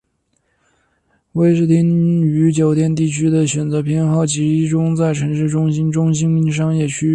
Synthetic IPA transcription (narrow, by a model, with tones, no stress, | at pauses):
we˥ɪʂɻ̩˥˩t̪ʰi˥ny˧˥t͡ɕjo˨˩ʊt̪jɛ˥˧nt̪̬i˥˩t͡ɕʰy˥d̪ə˨ɕɥɛ˨˩nt͡sɤ˧˥pʰjɛ˥˧nxɑ˥˩ʊt͡ɕi˧˥ʈ͡ʂʊ˥ŋt͡sa˥˩ɪʈ͡ʂʰɤ˧˥ŋʂɻ̩˥˩ʈ͡ʂʊ˥ŋɕi˥nʈ͡ʂʊ˥ŋɕi˥nmi˥˩nʂ̬ɑ˥ŋjɛ˥˩t͡ɕʰy˥